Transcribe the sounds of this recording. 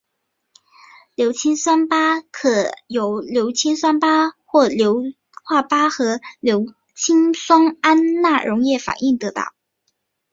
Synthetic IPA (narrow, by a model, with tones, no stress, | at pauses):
ljo˧˥ʊt͡ɕʰi˥ŋswa˥npa˥kʰɤ˨˩jo˨˩ʊljo˧˥ʊt͡ɕʰi˥nʂwa˥npa˥xwɔ˥˩ljo˧˥ʊ | xwa˥˩pa˥xɤ˧˥ljo˧˥ʊ | t͡ɕʰi˥nswɑ˥ŋa˥nna˥˩ɻʔʊ˧˥ŋjɛ˥˩fa̰˨˩ni˥˩ŋt̪ɤ˧˥t̪ɑ̰˥˩ʊ